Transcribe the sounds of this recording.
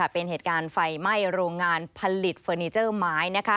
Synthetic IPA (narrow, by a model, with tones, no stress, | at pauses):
a˥˩pe˧nɦeː˨˩kaː˧nfa˧jma˥˩jɾoː˧ŋːaː˧npʰa˧li˨˩t̪̚fəː˧niː˧˥t͡ɕɤː˥˩maː˦˥jna˦˥kʰa˦˥